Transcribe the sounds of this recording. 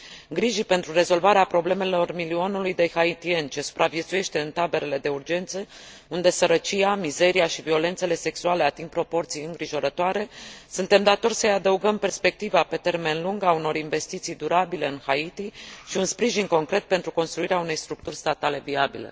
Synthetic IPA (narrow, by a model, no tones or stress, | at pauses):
ɡɾiʒipe̞nt̪ɾure̞zo̞lvaɾeapɾo̞ble̞me̞lo̞rmilio̞nulujd̪e̞hait̪ie̞nt͡ʃe̞su̥pɾavje̞t̪suje̞ʃt̪e̞ɨnt̪abe̞ɾe̞le̞d̪e̞urd͡ʒe̞nt̪sə | und̪e̞səɾət͡ʃijamize̞ɾijaʃivio̞le̞nt̪se̞le̞se̞ksuale̞at̪iŋɡ̚pɾo̞po̞rt̪sijɨŋɡɾiʒo̞ɾət̪oaɾe̞sunt̪e̞md̪at̪o̞rʲsəjad̪əuɡəmpe̞rspe̞k̚t̪ivape̞t̪e̞rme̞nluŋɡauno̞ɾinve̞st̪it̪sijd̪uɾabile̞ɨnxait̪iʃiunspɾiʒinko̞ŋkɾe̞t̪̚pe̞nt̪ɾuko̞nst̪ɾuiɾeaune̞jst̪ɾuk̚t̪urʲst̪at̪ale̞viabḭlḛ